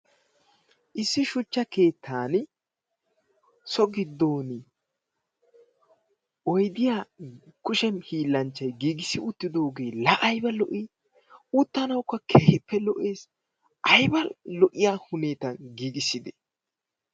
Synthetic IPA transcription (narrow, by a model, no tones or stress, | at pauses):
ʔɪsːɪʃʊt͡ʃːɐke̞ːt̪ʰːaːn | sɔɡɪd̪ːo̞ːn | ɔjd̪ɪjaːkʊʃɛmhiːlːɐnt͡ʃːɐjɡiːɡɪsɪʊt̪ːɪd̪o̞ːɡe̞ːlɐʔɐjbɐlɔʔi | ʊt̪ːɐnɐwkːɐkʰeːhɪpːɛlɔʔe̞ːs | ʔɐjbɐlɔʔɪjaːhʊne̞ːt̪ɐɡiːɡɪsɪd̪ɛ̥